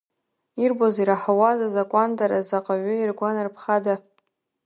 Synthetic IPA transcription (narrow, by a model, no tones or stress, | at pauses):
irboziɾaħawazazakʷʼandʼaɾazaqʼaʕʷʊirɡʷanarpʰχada